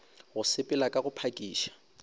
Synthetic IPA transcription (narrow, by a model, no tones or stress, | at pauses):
ɣʊsɪpʼɪlakʼaɣʊpʰakʼiːʃḁ